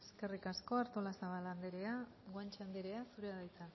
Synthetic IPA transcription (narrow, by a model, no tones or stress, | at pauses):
eske̞rikasko̞aɾt̪o̞lasaβaland̪eɾea | ɣwant͡ʃand̪eɾeasuɾeaðejt̪a